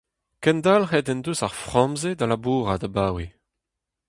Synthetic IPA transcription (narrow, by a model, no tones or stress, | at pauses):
kɛ̃ndalhɛd̪ɛnd̪usaʁfχɑ̃mzed̪alabuːʁad̪abaːwe